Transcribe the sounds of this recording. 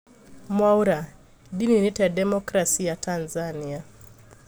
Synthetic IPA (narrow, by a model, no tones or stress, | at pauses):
mwauɾa | dininitɛadɛmɔkɾasiatʰanzania